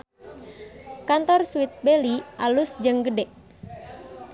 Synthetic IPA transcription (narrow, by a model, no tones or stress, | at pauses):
kant̪ɔrsuit̪̚beliʔalusd͡ʒəŋɡədɛʔ